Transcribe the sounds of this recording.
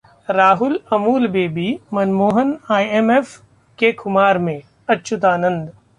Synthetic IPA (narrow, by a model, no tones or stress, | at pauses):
ɾaːɦʊlɐmuːlbeːbiːmɐnmoːɦənaːiemeːf | kekʰʊmaːɾmẽ | ɐtːʃʰʊt̪aːnə̃nd̪